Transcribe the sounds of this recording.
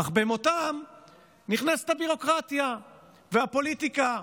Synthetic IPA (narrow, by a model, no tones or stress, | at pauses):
aχbemo̞t̪am | niχnase̥t̪habiʁo̞kʁat̪ja | veapo̞lit̪ika